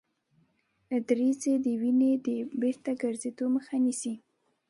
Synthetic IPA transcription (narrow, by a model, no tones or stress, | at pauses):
d̪ɾized̪əwined̪əbeɾt̪aɡaɾzed̪oməxanisi